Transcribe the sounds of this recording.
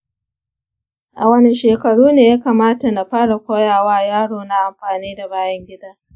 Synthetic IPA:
ʔa˨wɐ˦ni˦ʃeː˨kɐ˨ɽuː˦neː˨ja˦kaː˨maː˦ta˨na˨ɸaː˦ɽa˨kʷoː˦jaː˨waː˦jaː˦ɽoː˨na˦ʔa˨mɸaː˨niː˦da˨baː˦jɐ˦ŋɡʲɪ˦daː˦

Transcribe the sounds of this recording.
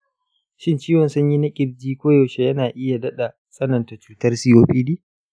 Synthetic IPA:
ʃɪ˦nt͡ʃiː˦wɔ˨nsʊ˦ɲji˦nɐ˦kʲʼɪ˨b̚d͡ʒiː˦kʷoː˦joː˨ʃe˦jɐ˦naː˨ʔɪ˦ja˨dɐ˦ɗa˨ | sʼɐ˦nɐ˨nta˨t͡ʃuː˦tɐ˦rsiː˦joː˦ɸʼiː˦diː˦

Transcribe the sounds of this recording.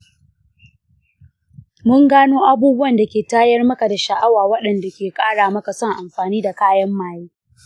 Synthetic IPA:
mʊ˦ŋɡaː˦noː˦ʔa˦buː˦bʊ˦wɐ˨nda˨kʲeː˨taː˦jɐ˦rmɐ˦ka˨da˨ʃa˨ʔa˦waː˨wɐ˦ɗɐ˨nda˨kʲeː˨kʼaː˦ɽaː˨mɐ˦ka˨sɔ˦˨ŋʔa˨mɸaː˨niː˦da˨kaː˦jɐ˦mːaː˨jiː˦

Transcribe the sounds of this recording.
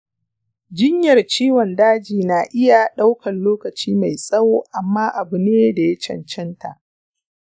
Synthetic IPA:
d͡ʒɪ˦ɲjɐ˨rt͡ʃiː˦wɔ˨ndaː˦d͡ʒiː˨na˨ʔɪ˦ja˨ɗa˦wkʰɐ˨nloː˦kɐ˨t͡ʃiː˦ma˨jsʼɐ˦wo˦ʔa˨mːaː˦ʔa˨bʊ˨neː˦da˨ja˦t͡ʃɐ̰˨nt͡ʃɛ˦nta̰˨ʔ

